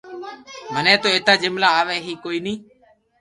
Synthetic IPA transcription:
mənẽːt̪oːeːt̪aːd͡ʒɪmlaːaːʋeːɦiːkoːiːnĩː

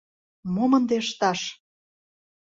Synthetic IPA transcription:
momənd̪eəʃt̪ɑʃ

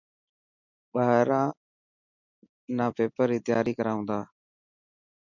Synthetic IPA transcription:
ɓaːɦɾãː | naːpeːpəɾiːt̪ɪja̰ːɾiːkəɾaːɦʊ̃ːnd̪aː

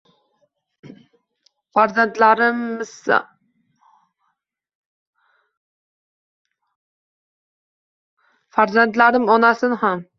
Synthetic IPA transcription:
faɾzant̪laɾɪms | faɾzant̪laɾɪmɒnasɪnham

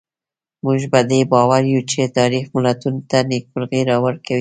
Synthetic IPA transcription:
muʒbad̪ebɑwaɾjut͡ʃet̪ɑɾixmʊlat̪unt̪anɪk̚bʊlɣiɾɑwaɾkawi

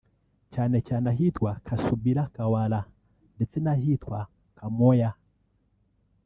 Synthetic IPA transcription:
t͡ʃanɛt͡ʃanaɦit̪wakʰasubilakawala | ndit͡sinaɦit̪wa | kamɔja

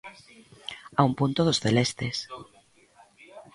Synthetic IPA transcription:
aumpunt̪oðosθelest̪es

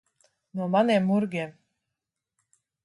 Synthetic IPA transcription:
nɔmanɛmuɾɡɛm

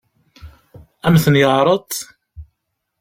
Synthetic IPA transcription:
æmθənjəʕɾˤət̪ˤ

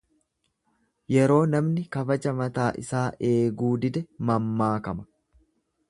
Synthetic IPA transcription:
jɛɾo̞ːnɐmnɪkɐbɐd͡ʒɐmɐt̪aːʔɪ̰saːʔe̞ːɡuːd̪ɪd̪ɛmɐmːaːkɐmɐ̥

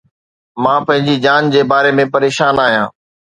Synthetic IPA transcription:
mãːpɐ̃ɦɪ̃ɲd͡ʑid͡ʑaːnd͡ʑeːbaːɾemẽpɐɾeːʃaːnaːɦijã̰ː

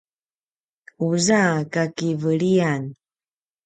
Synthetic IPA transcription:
uzakakivəɭian

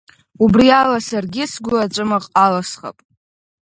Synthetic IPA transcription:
ubrialasarɡʲɪsɡʷʊat͡ʃʷʼɨmaqʼalasχa̰pʼ

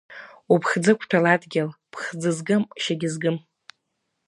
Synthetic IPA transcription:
upʰχd͡zɨkʷʰtʰaladɡʲɪlpʰχd͡zɨzɡɨmʃaɡʲɪzɡɨm

